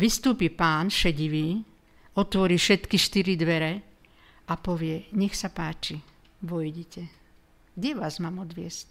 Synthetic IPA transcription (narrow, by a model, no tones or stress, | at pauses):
ʋist̪uːpipaːnʃɛɟiʋiː | ɔt̪ʋɔɾiːfʃɛt̪kiʃt̪iɾid̪ʋɛɾɛ | ʔapɔʋɪɛɲɛxsapaːt͡ʃi | ʋɔjɟɛcɛ | ɡdɛʋaːzmaːmɔd̪ʋɪɛsc